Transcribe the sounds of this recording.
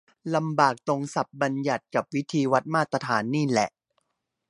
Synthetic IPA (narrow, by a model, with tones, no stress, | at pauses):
la˧mbaː˨˩k̚t̪o˧ŋsa˨˩p̚ba˧nja˨˩t̪̚ka˨˩p̚wi˦˥t̪ʰiː˧wa˦˥t̪̚maː˥˩t̪ːɾa˧t̪ʰaː˩˦nːiː˥˩lɛ˨˩ʔ